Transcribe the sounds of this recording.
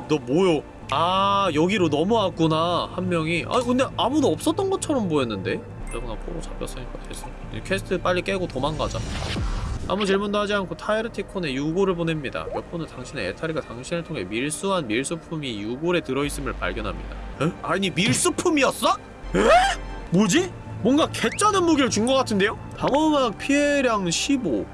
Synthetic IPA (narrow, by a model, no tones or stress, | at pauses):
dʌmojo | ajʌɡiɾonʌmuak͈unahanmjʌŋiʔa̰kɯnde̞ʔamudoʌp̚s͈ʌt͈ʌnɡʌt͡ɕʰʌɾʌmboenːɯnde̞ | ɯɾeɡonapʰoɾot͡ɕʰap͈jʌ̰s͈ɯɲik͈atʰes͈o | ḭkʰesʰɯ̥tʰɯp͈aʎːik͈e̞ɡotomanɡad͡ʑa̰ | a̰mut͡ɕiɭmundoɦad͡ʑiɦankʰotʰaiɾɯtʰikʰone̞juɡoɾɯɭpone̞mɲida̰mjʌp͈ʰonɯntaŋɕʰine̞ḛtʰaɾiɡataŋɕʰinɯɭtʰoŋɦe̞̰miɭs͈uɦanmiɭs͈ɯpʰumijuɡoɾe̞tɯɾʌis͈ɯmɯɭpa̰ɭɡjʌnɦamɲḭda̰aɲimiɭs͈upʰumiʌs͈a | emud͡ʑi | mwʌnɡake̞t͡ɕ͈anɯnmuɡiɾɯt͡ɕunŋɡʌk͈atʰɯnde̞jo | taŋʌmak̚pʰiɦe̞ɾjaŋɕʰibo